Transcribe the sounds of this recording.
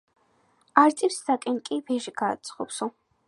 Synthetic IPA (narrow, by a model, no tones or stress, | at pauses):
aɾt̪sʼipsdakʼɛnkʼibɛʒɡa̰ːt̪sʰʼχɔ̰psɔ